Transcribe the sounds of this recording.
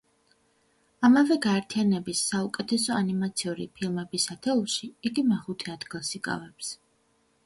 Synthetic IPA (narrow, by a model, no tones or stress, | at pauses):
amavɛɡaɛɾt̪ʰianɛbisːaukʼɛt̪ʰɛsɔanimat̪sʰiuɾḭpʰilˠmɛbisat̪ʰɛulˠʃiiɡimaχut̪ʰiad̪ɡilˠsikʼa̰vɛps